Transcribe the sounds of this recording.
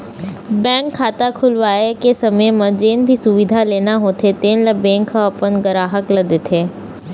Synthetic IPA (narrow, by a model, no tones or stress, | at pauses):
bɛ̃ːŋkʰːaːt̪akʰʊlʋaːekesɐməjmə̃d͡ʒeːnbʱisʊʋɪd̪ʱaleːnaɦoːt̪ʰet̪eːnlɐbẽːŋkʰːaɐpənɡəɾaːɦəklɐd̪et̪ʰeː